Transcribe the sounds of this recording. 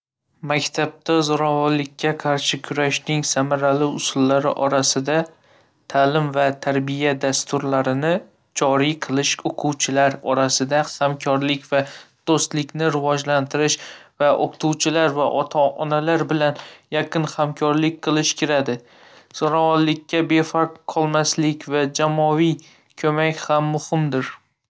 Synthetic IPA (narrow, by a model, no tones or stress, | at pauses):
makʲt̪ʰab̚t̪ʰazɒɾɒvɒllɪkʲːaqʰɑɾʃɪkʲʰʊɾaʃnɪŋsamaɾalɪʊsʊlːaɾɪ̰ʔɒɾasɪd̪a | t̪ʰalɪmvat̪ʰaɾbijad̪ast̪ʊɾlaɾɪnɪ | d͡ʒɒɾiqʰɨlˠɪʃoqʰuwt͡ʃʰɪlaɾɒɾasɪd̪ahamkʲʰɒɾlɪkʲvad̪̥ost̪lɪkʲnɪɾɪvɒd͡ʒlant̪ʰɪɾɪʃvaʔoqt̪ʰuwt͡ʃʰɪlaɾvaʔɒt̪ʰaɒnalaɾbɪlanjaqʰɨnhamkʰɒɾlɪk̚ʲqʰɨlˠɪʃkʲʰɪɾad̪ɪ | soɾɒwɒllɪkʲʰːabe̞faɾqqʰɒlˠmaslɪkʲvad͡ʒamɒvij | kʰɵmakʲhamːʊhɪmd̪ɪɾ